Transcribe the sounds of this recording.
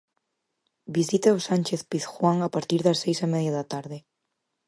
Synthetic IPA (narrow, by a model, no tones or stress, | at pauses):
bisit̪aosanʲt͡ʃeθpiθxwaŋapaɾt̪iɾðɐsːejsamɛðjaðɐt̪aɾðɪ